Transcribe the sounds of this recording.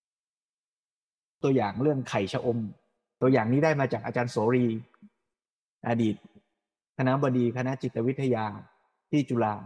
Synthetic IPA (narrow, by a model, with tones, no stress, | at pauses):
t̪u˧əjaː˨˩ŋɾɯ˥˩əŋkʰa˨˩jt͡ɕʰa˧ʔo˧m | t̪u˧ɐjaː˨˩ŋniː˦˥daː˥˩jmaː˧t͡ɕaː˨˩k̚ʔa˧t͡ɕaː˧nsoː˩˦ɾiː˧ | ʔa˧diː˨˩t̪̚ | kʰa˧na˦˥bɔː˧diː˧kʰa˧na˦˥ʔt͡ɕi˨˩t̪ːa˧wi˦˥t̪ʰːa˧jaː˧ | t̪ʰiː˥˩t͡ɕu˧laː˧